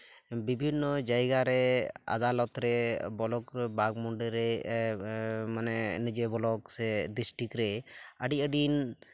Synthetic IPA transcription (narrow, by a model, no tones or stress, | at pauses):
bibʱinːɔd͡ʒajɡaɾɛa̰d̪alɔt̪ɾɛbɔlɔkbaɡmɔɳɖɛɾɛ | manɛnid͡ʒebɔlɔksɛd̪ɾisʈikɾɛəɖiəɖin